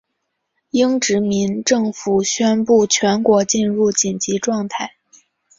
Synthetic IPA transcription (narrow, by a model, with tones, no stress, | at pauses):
i˥ŋʈ͡ʂɻ̩˧˥mi˧˥nʈ͡ʂɤ˥˩ŋfu˨˩ɕɥɛ˥npu˥˩t͡ɕʰɥɛ˧˥nkwɔ˧˥t͡ɕi˥˧nɻu˥˩t͡ɕi˨˩nt͡ɕi˧˥ʈ͡ʂwɑ˥˧ŋt̪ʰa˥˩ɪ